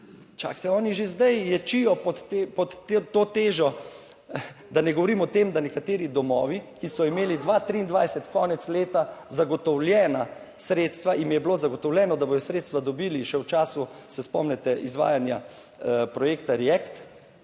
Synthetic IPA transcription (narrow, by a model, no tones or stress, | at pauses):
t͡ʃa̰ːkt̪ɛɔːniʒezd̪ɛjjɛt͡ʃijɔpɔt̪ːepɔt̪t̪ːot̪eːʒɔ | d̪anɛɡɔʋɔɾiːmɔt̪emd̪anɛkat̪eːɾid̪ɔmɔːʋikisɔimeːlid̪ʋat̪ɾiːnd̪ʋajsɛt̪kɔːnɛt̪sleːt̪azaɡɔt̪ɔwljɛːna | sɾeːt̪st̪ʋaʔimjɛbloːzaɡɔt̪ɔwlʲjɛːnɔd̪abod̪ɔsɾeːt̪st̪ʋad̪ɔbiːliʃɛwt͡ʃaːsusɛspɔ̰mnɛt̪ɛʔizʋa̰ːjanja̰ | pɾɔjeːkt̪aɾiɛkt̪